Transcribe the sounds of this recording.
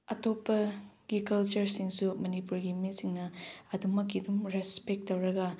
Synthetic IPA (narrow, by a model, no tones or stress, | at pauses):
ɐtopːɐɡ̥ikɐlt͡ʃɐɾsiŋsumɐnipuɾɡimisiŋnɐɐdumɐkːidumɾespek̚tːɐwɾɐɡɐ